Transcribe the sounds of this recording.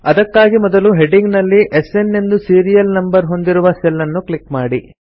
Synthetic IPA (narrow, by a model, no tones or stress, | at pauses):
ɐd̪ɐkːaːɡimɔd̪ɐluɦeɖiŋɡnɐlːiʔese̞nːe̞nd̪usiːɾijɐlnɐmbɐɾɦo̞nd̪iɾuʋɐselːɐnːuklikmaːɽi